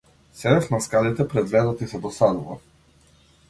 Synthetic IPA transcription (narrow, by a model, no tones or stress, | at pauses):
sɛdɛfnaskalit̪ɛpɾɛd̪vɛd̪at̪isɛd̪ɔsad̪uva̰